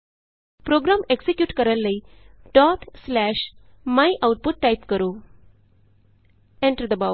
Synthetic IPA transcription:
pɾoɡɾameksekjuːʈkəɾəlːəi | ʈɔt̪ʰslæɕmaiʔawʈ̚puʈːajpkəɾuː | eɳʈəɾd̪əba

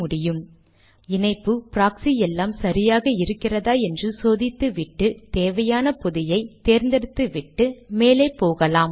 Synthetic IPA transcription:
mʊɽɪjɯm | ɪnɐɪpːɯpɾaːksijɛlːaːmsɐɾɪjaːɣɐɪɾɯkːɪrɐðaːɛndrɯsoːðɪt̪ːɯʋɪʈːɯt̪eːʋɐjaːnɐpʊðɪjɐɪt̪eːɾnd̪ɐɽɯt̪ːɯʋɪʈːɯmeːleːpːoːɣɐlaːm

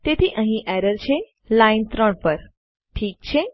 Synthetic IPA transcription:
t̪et̪ʰiʔə̃ɦĩʔɛɾəɾt͡ʃʰe | laint̪ɾəɳpəɾ | ʈʰiːk̚t͡ʃʰe

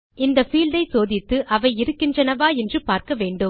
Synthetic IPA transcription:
ɪnd̪ɐfiːlɖ̪ɐɪsoːðɪt̪ːɯʔɐʋɐɪɪɾɯkːɪndrɐnɐʋaːɛndrɯpaːɾkɐʋeːɳɖɯm

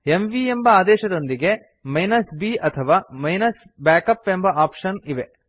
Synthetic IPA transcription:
emʋiembɐaːd̪ɛːʃɐd̪o̞nd̪iɡe̞ | mɐjnɐsbiːʔɐt̪ʰɐʋaːmɐjnɐs | baːkɐpːembɐʔaːpʂɐniʋe̞

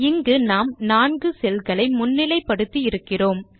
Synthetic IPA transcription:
ɪŋɡɯnaːmnaːnɡɯsɛlɣɐɭɐɪmʊnːɪlɐɪpːɐɽɯt̪ːiɪɾɯkːɪroːm

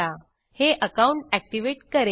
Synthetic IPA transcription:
a | heʔəkaũɳʈæk̚ʈiʋeʈkəɾe

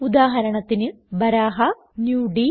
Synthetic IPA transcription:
ud̪aːɦɐɾɐɳɐt̪ːinɨ | bɐɾaːɦɐ | njuːɖi

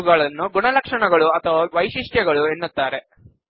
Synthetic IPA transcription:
ɡaːɭɐnːuɡuɳɐlɐkʂɐɳɐɡɐɭuɐt̪ʰɐʋɐʋɐjʃiʂʈjɐɡɐɭuenːut̪ːaːɾe

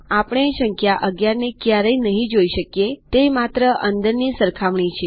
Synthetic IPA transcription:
apəɳ̃eʃəŋkʰjaʔəɡjaɾnekjaɾəinəɦĩd͡ʒoiʃəkjet̪emat̪ɾəʔənd̪əɾnisəɾkʰaʋɳ̃it͡ʃʰe

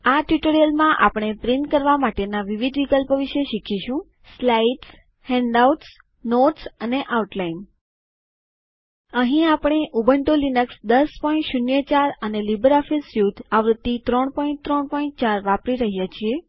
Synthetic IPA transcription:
aʈjuʈoɾijəlmãʔa̰pɽ̃epɾinʈkəɾʋamaʈenaʋiʋid̪ʱʋikəlpəʋiʃeʃikʰiʃũ | slaiʈs | hɛ̃ɳɖauʈs | noʈsəneʔauʈlain | əɦĩapɽ̃eʔubʱəɳʈolinəksd̪əspɔĩɳʈʃunjət͡ʃaɾənelibəɾɔfisjud̪ʱaʋɾəd̪ːit̪ɾɔɳpɔĩn̚t̪ɾɔɳpɔĩɳʈ̚t͡ʃaɾʋapɾiɾəɦijat͡ʃʰie

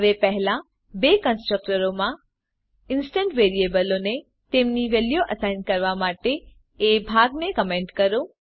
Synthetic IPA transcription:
ɦəʋepəɦlã | bekənsʈɾək̚ʈəɾomã | ɪnsʈə̃ɳʈʋeɾiebəlone | t̪emniʋelijoʔəsajnkəɾʋamaʈeː | bʱaɡnekəmẽɳʈkəɾõ

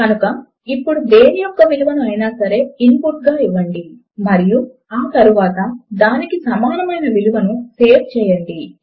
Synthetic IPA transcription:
kɐnukɐ | ipːuɽud̪eːnijɔkːɐʋiluʋɐnuɐjnaːsɐɾe̞ːimpuʈɡaːiʋːɐɳɖi | mɐɾiju | aːt̪ɐɾuʋaːt̪ɐd̪aːnikisɐmaːnɐmɐjnɐʋiluʋɐnuse̞ːft͡ʃɛːjɐɳɖi

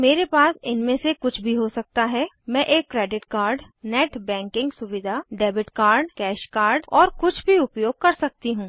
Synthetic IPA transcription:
meːɾepaːsɪnmẽsekʊt͡ʃʰbʱiɦosɐk̚t̪aɦɛ | mɛ̃ʔeːkːɾeːɖɪʈkaːɾɖ | nɛːʈbɛ̃ːŋkɪ̃ŋɡsʊʋɪd̪ʱaɖɛːbɪʈkaːɾɖkɛːʃkaːɾɖɔːɾkʊt͡ʃʰbʱiʊpjoːɡ̚kɐɾsɐk̚t̪iɦũː

